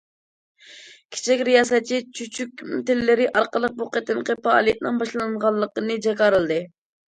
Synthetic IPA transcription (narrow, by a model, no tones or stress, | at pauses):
kʲʰe̥t͡ʃʰɛkʲɾijɑsɛt͡ʃʰit͡ʃʰyt͡ʃʰykʲmt̪ɪlːɪɾɪʔɑɾqəlˠəq̚buqʰet̪ɪmqəfɑɑ̰lˠijɛt̪nɪŋbɑʃlˠɑŋʁɑlˠːəqənɨd͡ʒɑkɑɾɨlˠd̪ɨ